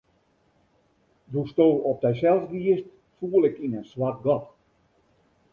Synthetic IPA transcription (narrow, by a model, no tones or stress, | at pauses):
dustoːɔp̚dɛsɛlˠsʋiəst | fuːəlˠɪkinənswat̚ɡɔt